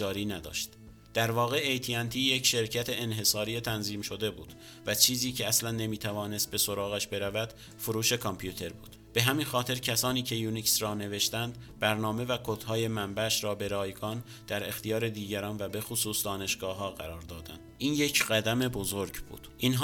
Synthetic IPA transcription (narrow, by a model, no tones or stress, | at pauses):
d͡ʒɒːɾiːnæd̪ɒ̰ːʃt̪ | d̪̥æɾvɒːɣe̞ejt̪ʰiænt̪ʰiːjecʃe̞ɾcʰæt̪ʰe̞enɦe̞sɒːɾiːet̪ʰænziːmʃo̞d̪e̞buːd̪̥ | væt͡ʃʰiːziːcʰeæslænːe̞miːt̪ʰævɒːne̞st̪̚be̞so̞ɾɒːɣæʃbe̞ɾævæd̪ | foɾuːʃe̞kʰompʰjut̪ʰe̞ɾbṵːd̪̥b̥e̞ɦæminxɒːt̪ʰe̞ɾcʰæsɒːniːcʰe̞juːniksɾɒːne̞ve̞ʃt̪ænd̪bæɾnɒːme̞vækʰot̪hɒːje̞mæmbæʃɾɒːbe̞ɾɒːjɡɒːn | d̪̥æɾe̞xt̪ʰijɒːɾe̞d̪iːɟæɾɒːnvæbe̞xosuːsd̪ɒːne̞ʃɡ̥ɒːɦɒːɣæɾɒːɾd̪ɒːd̪ænd̪ʔiːnje̞cʰɢæd̪æme̞bo̞zo̞ɾɟbṵːd̪̥ʔinɦ